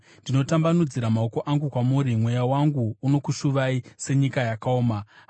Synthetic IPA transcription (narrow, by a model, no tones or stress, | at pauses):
ndino̞tambanud͡ziɾamaoko̞ʔaŋɡukwamuɾimwe̞jawaŋɡuːno̞kuʃuʋaise̞ɲikajakaoːma